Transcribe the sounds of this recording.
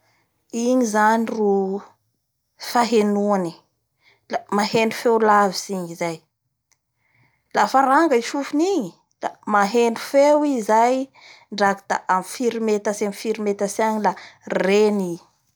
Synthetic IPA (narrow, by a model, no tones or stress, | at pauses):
iɲizaniru | faɦenuani̥ | lamahenu̥fewlaviziɲizaj | lafaɾaŋɡəiʃufuniɲi | la̰maɦenɖ͡ʐu̥fewizaj | ɳɖ͡ʐaki̥t̪a̰ʔamfiɾimet̪asamifiɾimet̪asaɲilareni